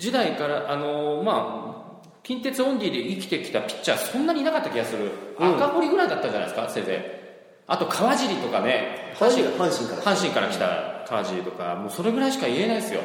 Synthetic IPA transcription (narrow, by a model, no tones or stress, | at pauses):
d͡ʑid̪aikaɾaʔano̞ma | kʲĩnt̪e̞t͡sɨõ̞ndʲiːd̪e̞ikʲi̥t̪e̞kʲi̥t̪apʲi̥t͡ɕːasõ̞nːaɲ̟inakat̪ːakʲiɡasɨɾɯ̟akamo̞ɾʲiɡɯɾaid̪at̪ːad͡ʑana̰iesɨkasẽ̞sḛ | at̪o̞kʰaβaʑiɾʲit̪o̞kane̞hãɕihãɕĩŋkahãɕĩŋkaɾa̰kʲi̥t̪a̰kʰaβaʑiɾʲit̪o̞ka̰mo̞ːso̞ɾe̞ɡɯ̟ɾaiɕi̥kaie̞naid̪sɨjo̞̰